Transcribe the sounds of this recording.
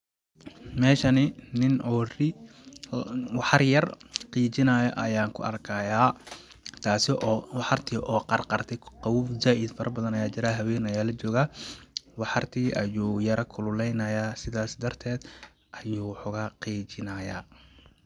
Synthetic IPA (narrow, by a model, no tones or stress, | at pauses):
mɛːʃɐnɪnɪnʔɔːrɪ | wɑħɑrjɐrqiːt͡ʃɪnɐːjɔʔɐjaːŋkʰʊ̰ʔɐ̰rkʰɐjaː | t̪ʰaːsɪʔɔːwɑħɑrt̪ʰiːʔɔːqɑrqɑrt̪ʰɛqɑwuːfzaːʔɪd̪fɐɾʔɐbɐðɐnɐjaːt͡ʃɪɾaːɦɐwɛːnɐjaːlɐt͡ʃɔːɣaːwɑħɑrt̪ʰiːʔɐjuːjɐɾɐkʰʊlʊlɛjnɐjaːsɪðaːsd̪ɐrt̪ʰɛːd̪ | ʔɐjuːħʊɣɐqiːt͡ʃɪnɐːja̰ː